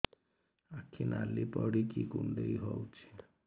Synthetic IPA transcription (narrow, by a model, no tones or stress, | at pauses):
akʰːinʔalipɔɽikikuɳɖeiɦɔwt͡ʃʰi̥